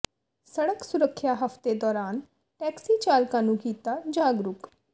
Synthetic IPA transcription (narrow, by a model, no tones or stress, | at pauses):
səɽəksʊɾəkʰːjaɦəft̪ed̪ɔːɾaːn | ʈɛːksiːt͡ʃaːlkãːnũːkiːt̪ad͡ʒaːɡɾʊk